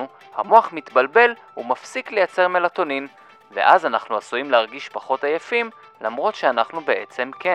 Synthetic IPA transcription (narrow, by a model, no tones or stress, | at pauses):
u | hamo̞aχmit̪balbe̞l | umafsikle̞jat͡se̞ʁmelat̪o̞nin | ve̞̰ʔazanaχnuasujimleaʁɡiʃpaχo̞tajafim | lamʁo̞tʃeanaχnube̞ʔet͡se̞mke